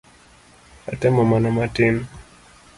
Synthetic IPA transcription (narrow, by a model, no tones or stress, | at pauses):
a̰tɛmɔmanamatin